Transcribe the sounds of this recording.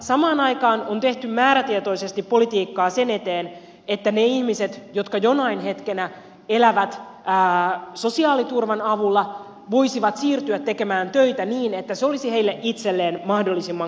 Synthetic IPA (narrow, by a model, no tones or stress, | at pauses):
sɑmɑːnɑjkɑːnont̪e̞ht̪ymmæːɾæt̪iet̪o̞ise̞st̪ipːo̞lit̪iːkːɑːse̞ne̞t̪e̞ːn | et̪ːæneihmise̞t̪jo̞t̪kɑjo̞nɑinɦe̞t̪kenæ | elæʋæt̪ː | so̞siɑːlit̪urʋɑnɑʋulːɑ | ʋo̞isiʋɑt̪siːrt̪yæt̪ːe̞ke̞mæːnt̪øit̪æniːne̞t̪ːæseo̞lisihe̞ilːeʔit̪selːeːnmɑhdo̞lːisimːɑŋ